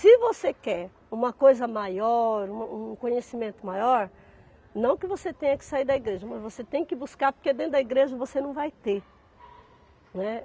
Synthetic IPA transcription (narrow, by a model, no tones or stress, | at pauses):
sɪvosekɛɾ | ũmɐkojzɐmajɔɾũmɐũkõɲesimẽnt̪ʊmajɔɾ | nɐ̃w̃kɪvoset̪ẽjɐkɪ̥saiɾd̪ɐiɡɾeʒɐmɐzvoset̪ẽj̃kɪbuskaɾpoɾked̪ẽnt̪ʊd̪ɐiɡɾeʒɐvosenɐ̃w̃vajt̪e | nɛ